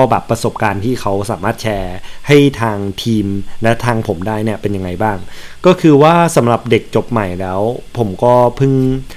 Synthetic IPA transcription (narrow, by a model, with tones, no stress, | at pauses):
ɔ˥˩bɛː˨˩pːɾa˧so˨˩p̚kaː˧nt̪ʰiː˥˩kʰa˦˥wsaː˨˩˦maː˥˩t̪̚t͡ɕʰɛː˧ha˥˩jt̪ʰaː˧ŋt̪ʰiː˧mlɛ˦˥t̪ʰaː˧ŋpʰo˩˦mdaː˥˩jni˥˩ɐpe˧nja˧ŋːa˧jbaː˥˩ŋkɔː˥˩kʰɯː˧waː˥˩sa˩˦mɾa˨˩p̚de˨˩k̚t͡ɕo˨˩p̚ma˨˩jlɛː˦˥wpʰo˩˦mkɔː˥˩pʰɯ˥˩ŋ